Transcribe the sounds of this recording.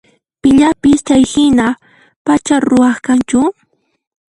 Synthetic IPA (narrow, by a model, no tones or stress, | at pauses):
pɪʎapɪst͡ʃajhɪna | pat͡ʃaɾʊwɑχkant͡ʃʊ